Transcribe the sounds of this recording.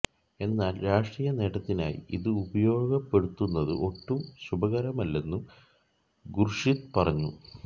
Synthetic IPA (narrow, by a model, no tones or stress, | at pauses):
e̞nːaːlɾaːʂʈriːjɐne̞ːɽɐt̪ːina̰ːjḭḭðɨubɐjo̞ːɡɐpːe̞ɽut̪ːunːɐðɨ̰ʔo̞ʈːumɕubɐɣɐɾɐmɐlːe̞nːu | ɡurʂit̪pɐrɐɲːu